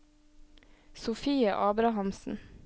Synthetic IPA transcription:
sʊfiːə̰ʔɑːbɾɑhɑmsn̩

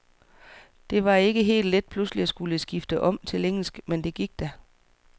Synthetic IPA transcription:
d̥e̝ʋɑ̈e̝ɡ̥əɦe̝̰ːld̥led̥̚pʰlusliæsɡ̥uləsɡ̥ifd̥əʔɒ̽m̰t͡sʰe̝leŋ̰l̩sɡ̥mend̥e̝ɡ̥iɡ̥̚d̥æ

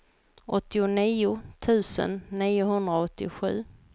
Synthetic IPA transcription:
ʔɔt̪ːɪʊniːʊt̪ʰʉ̟ːsə̰nːiːʊɦɵnd̪ɾaɔt̪ːɪ̰ɧʉ̟̰ː

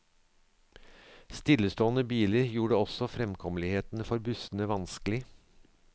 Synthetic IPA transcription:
st̪ɪlːəst̪oːənəbiːləɾjuːɖəɔsɔfɾɛmkʰɔmlɪheːt̪n̩əfɔɾbʉsən̩əʋɑnskəlɪ

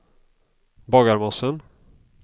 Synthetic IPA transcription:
bɑːɡaɾmɔsən

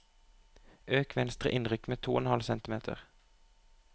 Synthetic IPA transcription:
ʔøːkʋɛnst̪ʁə̰ʔɪnʁʏkmeːt̪ʰuːɛnhɑlsɛnt̪ɪmeːt̪ʰə̰ʁ

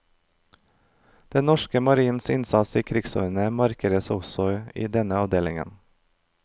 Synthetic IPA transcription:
d̪̥ɛnɔʃkəmɑɾiːn̩sɪnsɑt̪siːkʰɾɪɡsʏɾnəmɑɾkəɾəsɔsɔḭːd̪ɛnəɑʋd̪eːlɪŋə̰n

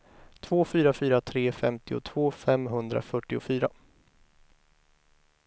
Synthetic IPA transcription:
t̪ʰvoːfyːɾafyːɾat̪ʰɾeːfɛ̰mt̪ɪʊ̰t̪ʰv̥oːfɛmːɦɵnd̪ɾa̰fœʈːɪʊfyːɾa

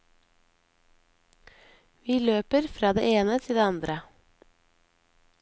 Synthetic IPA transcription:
ʋiːløːpəɾfɾɑːd̪ḛːʔeːnət̪ʰɪld̪eːɑnd̪ɾə

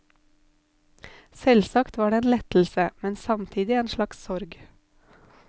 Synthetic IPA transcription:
sɛlsɑkt̪ʋɑːɖeːeːnlɛt̪l̩səmɛnsɑmt̪ʰiːd̪ɪeːnʃlɑkssɔɾɡ

